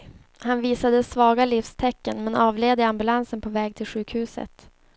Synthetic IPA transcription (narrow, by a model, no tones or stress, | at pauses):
hanviːsad̪əsvɑːɡalifst̪ʰɛkːənmɛnɑːvleːd̪əambɵlansənpʰɔvɛːɡ̚t̪ʰɪlɧʉ̟ːkhʉ̟ːsə̰t̪